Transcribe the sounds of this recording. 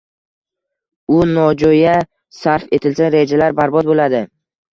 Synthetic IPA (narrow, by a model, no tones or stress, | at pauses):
ʊnɒd͡ʒɒja | saɾfe̞t̪ʰɪlsaɾed͡ʒalaɾbaɾbɒd̪̚bolad̪ɪ